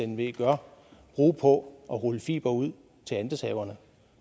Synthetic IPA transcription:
enʋe̝̰ːɡ̥ɶɐb̥ʁuːpʰɒ̽ʔɒ̽ʁɔləfḭːb̥ɐuð̰ˠ | t͡sʰe̝lænd̥əsʰhɛːʊɐnə

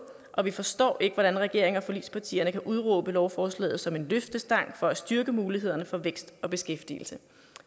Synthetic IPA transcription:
ʔɒ̽ʋifɒ̽sd̥ɒ̰ːʔe̝ɡ̥əʋɒɾ̥ænʁɛɡ̥e̝ɐe̝ŋɐfɒ̽lḭd̥spʰɑ̈t͡sʰḭːɐnəkʰæʔuð̞ˠʁo̰ːb̥əlɒʊfɒːslɛ̰ːð̩ˠsɒ̽me̝nløfd̥əsd̥ɑ̈ŋ̰fɒ̽æsd̥yɐɡ̥əmuːliɦe̝ð̞̰ˠɐnəfɒ̽ʋeɡ̥sd̥ɒ̽b̥e̝sɡ̥efd̥ḭːl̩sə

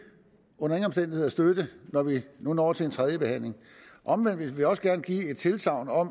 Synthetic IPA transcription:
ɔ̽nɐeŋnɒmsd̥en̰d̥iheð̰ˠɐsd̥ød̥ənɒʋinunɒ̰ːt͡sʰe̝lent͡sʰʁað̞ˠjəb̥e̝hæn̰le̝ŋ | ʔɒ̽mʋen̰dʋeʋeɒ̽səɡ̥æɐnəɡ̥ḭːe̝d̥̚t͡sʰe̝lsɑ̈ʊ̰nɒ̽m

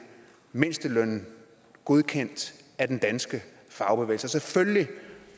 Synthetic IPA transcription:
men̰sd̥əlœn̰n̩ | ɡ̥o̝ð̞ˠkʰen̰d̥æd̥end̥ænsɡ̥ə | fɑ̈ʊb̥eḛːlsəɒ̽sefølli

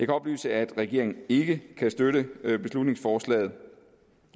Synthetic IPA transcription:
jɑ̈kʰæɒ̽b̥ly̰ːsəæd̥ʁɛɡ̥e̝ɐ̰e̝ŋn̩e̝ɡ̥əkʰæsd̥øɾəb̥e̝slud̥ne̝ŋsfɒːslɛ̰ːð̞̩ˠ

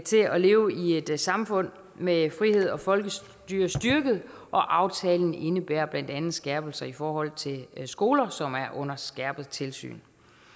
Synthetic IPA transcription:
t͡sʰe̝ɒle̝ːʊie̝d̥sɑ̈mfɔ̽n̰ | mefʁihe̝ð̞̰ˠɒ̽fɒ̽lɡ̥ə | d̥yɐsd̥yɐɡ̥əð̞̩ˠʔɒ̽ʔɑ̈ʊt͡sʰɛːln̩e̝nəb̥æːɐ̰b̥læn̰d̥ænð̩sɡ̥ɛɐ̰b̥l̩sɐifɒːhɒ̽l̰t͡sʰe̝sɡ̥o̝ːlɐsɒ̽mæɐʔɔ̽n̰ɐsɡ̥æɐ̰b̥ð̩ˠt͡sʰe̝lsy̰ːn

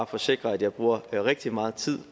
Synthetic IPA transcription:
fɒ̽se̝ɡ̥ʁɐæd̥jɑ̈ɪb̥ʁuːɐʁɛɡ̥̚d̥imɑ̈ːð̞̩ˠt͡sʰið̞̰ˠ

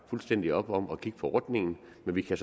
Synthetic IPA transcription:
fulsd̥en̰d̥iɒ̽b̥ɒ̽mɒ̽kʰiɡ̥ə̥pʰɒɒːd̥ne̝ŋn̩ | menʋikʰæs

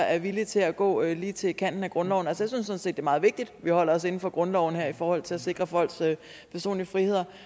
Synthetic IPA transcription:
æɐʋilit͡sʰe̝æɡ̥ɔ̰̽ːliːt͡sʰe̝kʰæn̰d̥n̩æɡ̥ʁɔ̽nlɒʊn̩ælsəjaɪsynsːɔ̽n̩se̝̰d̥eːmɑ̈ːð̩ˠʋe̝ɡ̥̚d̥id̥ʋihɒ̽l̰ɐɒ̽se̝n̩fɒ̽ɡ̥ʁɔ̽nlɒʊn̩heɐ̰ifɒːhɒ̽l̰t͡sʰe̝læse̝ɡ̥ʁɐfɒ̽l̰sø | pʰæɐso̝̰ːnliəfʁihe̝ð̞̰ˠɐ

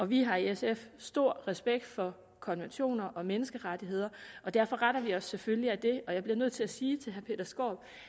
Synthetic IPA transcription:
ɒ̽ʋiɦɑ̈iesefsd̥o̝ɐ̰ʁɛsb̥eɡ̥̚d̥fɒ̽ | kʰɒ̽nʋenɕo̝̰ːnɐʔɒ̽menəsɡ̥əʁad̥iɦe̝ð̞̰ˠɐʔɒ̽d̥æɐfɒ̽ʁaɾɐʋiɒ̽sːeføliæd̥e̝ɒ̽jɑb̥liɐnøð̞̰ˠt͡sʰe̝læsiːt͡sʰe̝lɦæɐpʰe̝d̥ɐsɡ̥o̰ːb̥

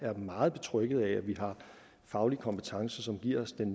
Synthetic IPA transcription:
æɐmɑ̈ːð̩ˠb̥e̝̥t͡sʰʁœɡ̥əð̞̩ˠææʋiɦɑ̈ | fɑ̈ʊlikʰɒ̽mpʰet͡sʰɑ̈ŋsəsɒ̽mɡ̥iɐ̰ɒsd̥en

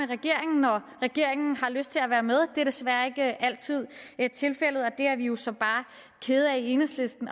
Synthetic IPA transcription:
eʁɛɡ̥e̝ɐ̰eŋn̩ːɒ | ʁɛɡ̥e̝ɐ̰e̝ŋn̩hɑ̈løsd̥̚t͡sʰe̝læʋæːɐmeð̞ˠd̥e̝ɐd̥e̝sʋæɐe̝ɡ̥əʔæl̰t͡sʰið̞̰ˠe̝d̥̚t͡sʰe̝lfel̰ð̞̩ˠɒ̽d̥e̝æɐʋijo̝sɒ̽b̥ɑ̈ː | kʰe̝ːð̩ˠæie̝nəsle̝sd̥n̩

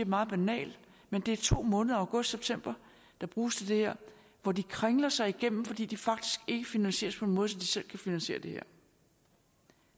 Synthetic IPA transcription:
ɐmɑ̈ːð̩ˠb̥ænɛ̰ːl | mend̥e̝æɐt͡sʰo̝̰ːmɔ̽ːnðˠɐ̈ʊɡ̥ɔ̽sd̥seb̥̚t͡sʰem̰b̥ɐ | d̥ɑ̈b̥ʁuːst͡sʰe̝d̥e̝heɐ̰ | ʋɒdikʰʁaŋlɐsɑ̈ɪiɡ̥em̰m̩fɒ̽d̥ḭːd̥ifɑ̈ɡ̥̚d̥i̥sɡ̥e̝ɡ̥əfinænsɕe̝̰ːɐspʰɒ̽e̝nmɔ̽ðˠs̬ɒ̽md̥isel̰kʰæfinænɕe̝̰ːɐd̥e̝hḛɐ̰

